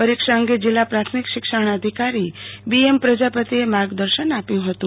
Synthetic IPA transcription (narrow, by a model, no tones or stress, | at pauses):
pəɾikʂaəŋɡed͡ʒilːapɾat̪ʰmikʃɪkʃəɳ̃əd̪ʱikaɾibiempɾəd͡ʒapət̪iemaɡd̪əɾʃənapjũɦət̪ũ